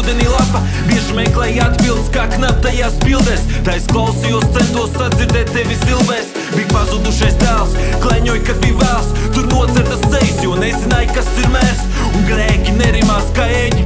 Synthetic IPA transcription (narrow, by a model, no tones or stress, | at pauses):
uːd̪ɛniːlˠapa | biɛʒmɛjklˠɛjad̪bilˠd̪skaːknap̚t̪ajaːspilˠd̪ɛːst̪aːisklˠawsijɔst̪sɛnt̪uɔssad̪ziɾd̪ɛːt̪̚ʲtːɛvʲizilˠvɛːs | bijpazud̪uʃajsd̪æːlˠsklˠɛɲojkad̪̚bijvæːlˠs | t̪uɾnuɔt̪sɛɾd̪asd̪zɛjsjuɔnɛzinaːjkasiɾmæːɾs | uŋɡɾɛːkʲinɛɾimaːskaɛɲi